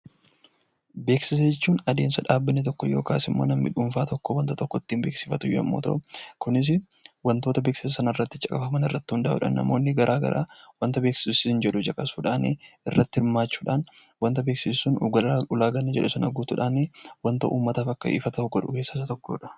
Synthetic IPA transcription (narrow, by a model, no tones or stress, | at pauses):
be̞ːksɪsed͡ʒɛt͡ʃːuːnɐd̪e̞ːnsɐᶑaːbːɪnːɪt̪ɔkːɔjo̞̰ːkaːsɪmːoːnɐmːɪ̰ᶑuːɱfaːt̪ɔkːɔwɐnt̪ɐt̪ɔkːɔt̪ːiːmbe̞ːksɪfɐt̪ʊjɔɐ̰mːoːt̪ɐ̰ʔʊkʊnɪs̬ɪ | wɐnt̪o̞ːt̪ɐbeːksɪsɐsɐnɪrːɐt̪ːɪt͡ʃʼɐkʼɐfɐmɐnɪrːɐt̪ːɪhʊnd̪ɐʔʊ̰ᶑɐ̰nːɐ̰mo̞ːnːɪɡɐɾʔaːɡɐ̰ɾʔa̰ːwɐnt̪ɐbe̞ːksɪ̥sʊsɪɪnd͡ʒɛᶑʊd͡ʒɐkʼɐsuːᶑaːnḛɪrːɐt̪ːɪhɪɾmaːt͡ʃːuːᶑaːn | wɐnt̪ɐbeːksɪssunɡɐʊlaːɡɐnːɐd͡ʒɛᶑʊsɐnɐɡuːt̪ʊᶑaːneːwɐnt̪ɐʔuːmːɐt̪aːfɐkːɐɪ̰fɐt̪ɐʊɡɔᶑʊke̞ːsːɐsɐt̪ɔkːoːᶑɐ̥